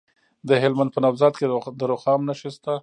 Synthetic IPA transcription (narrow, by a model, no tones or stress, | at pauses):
d̪əɦɪlmand̪pənawzɑt̪̚ked̪əɾoxɑmnaʃəst̪a